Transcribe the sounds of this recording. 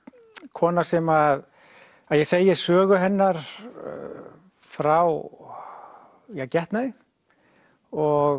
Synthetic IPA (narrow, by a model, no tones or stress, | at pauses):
kʰɔːnaɾ̥sɛmað | aðjɛseːjjɛsœːɣʏɦɛnːaɾ̥̰ | fɾaw | jacɛht̪naɪ | ɔɣ